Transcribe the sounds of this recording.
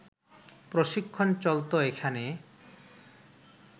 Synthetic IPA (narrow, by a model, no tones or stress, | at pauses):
pɾoʃikʰːont͡ɕɔlt̪oekʰane